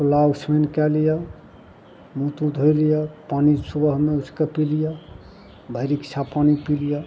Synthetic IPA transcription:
lausmenkɛlija | mũt̪ũd̪ʱojlijapanisubəɦmeusʰkepilija | bʱəjɾikt͡ʃʰapanipilija

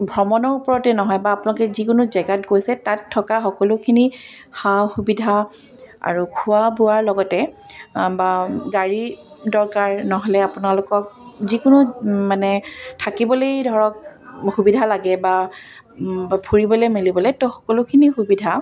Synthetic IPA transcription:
bʱɹɔmɔnɔɹupɔɹɔtɛnɔɦɔjbaːpʊnalkɛzikʊnʊzɛɡatkojsɛtatʰːɔkaxɔkɔlʊkʰini | xaxubidʱa | a̰ɹukʰʊabuaɹlɔɡɔtɛ | baɡaɹi | dɔɹkaɹnɔɦɔlɛapʊnalʊkɔk̚zikʊnʊmanɛtʰakibɔlejdʱɔɹɔk̚xubidʱalaɡɛba | pʰuɹibɔlojmilibɔlɛtɔxɔ̥kɔlʊkʰinixubidʱa

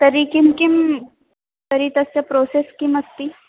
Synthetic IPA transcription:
t̪ɐɾikimkim | t̪ɐɾit̪ɐst͡ʃɐpɾoːseskimɐst̪i

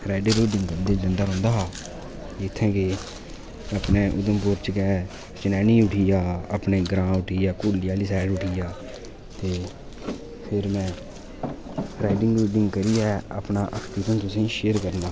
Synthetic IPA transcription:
ɾaːɪɖeːɾoːɖɪŋɡkəɾd̪eːd͡ʒənd̪aːɾɦʊ̃ːnd̪aːɦaː | ɪt̪ʰːɛ̃ːkɪ | əpneːʔʊ̰d̪əmpʊɾt͡ʃkɛː | t͡ʃɪnɛːnĩːʊʈʰiːjaːəpneːɡɾãːʊʈʰiːjaːkoːlɪjaːliːsɛːɖʊʈʰiːjaː | t̪eː | pʰɪɾmɛ̃ː | ɾaːɪɖɪŋɡɾoːɖɪŋɡkəɾijɛːəpnaːʔəkʰt̪iːɾənt̪ʊsĩːʃeːəɾkəɾnaː

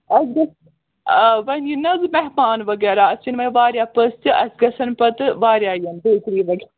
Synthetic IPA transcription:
ɐsɡɐs | ʋɐnjinɐzɨmɛɦmaːnʋɐɡɛːɾaɐst͡ʃinʋɐʋaːɾjaːpɐst͡ʃɨɐ̰sɡɐsɐnpɐt̪ɨʋaːɾjaːjɐnbeːt̪ɾiːʋɐɡ

